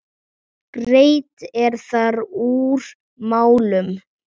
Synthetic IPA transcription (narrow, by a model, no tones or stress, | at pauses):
pɾeːjt̪ɛɾ̥θaɾuːɾ | maːwlʏm